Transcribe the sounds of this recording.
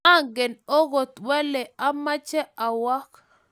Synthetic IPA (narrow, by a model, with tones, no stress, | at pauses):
a˦˨ŋɡɛ˨no˦ɣo˨t̪wɛ˦lɛ˨a˦ma˦t͡ʃɛ˦a˨wa˦k